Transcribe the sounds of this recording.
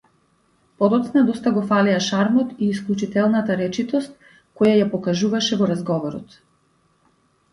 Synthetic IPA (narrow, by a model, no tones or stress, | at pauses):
pɔd̪ɔt̪snad̪ɔst̪aɡɔfaliaʃaɾmɔt̪iːsklʲˠut͡ʃit̪ɛlˠnat̪aɾɛt͡ʃit̪ɔst̪̚ | kɔjajapɔkaʒuvaʃɛvɔɾazɡɔvɔɾɔ̰t̪